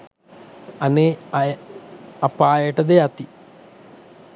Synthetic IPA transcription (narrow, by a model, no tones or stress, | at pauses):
ɐne | ɐpːaːjeʈːɐd̪eat̪ːi